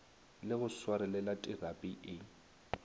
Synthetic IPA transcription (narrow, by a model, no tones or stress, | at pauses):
lɪɣʊswaɾɛlɛlatʼɪrapʼiʔɪ